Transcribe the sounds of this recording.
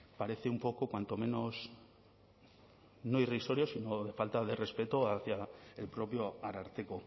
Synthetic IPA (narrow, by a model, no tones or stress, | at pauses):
paɾe̞θeumpo̞kokwant̪o̞mẽ̞no̞s | noiriso̞ɾjo̞sino̞ðe̞falt̪aðe̞re̞spe̞t̪oaθjaelpɾo̞pjo̞aɾaɾt̪eko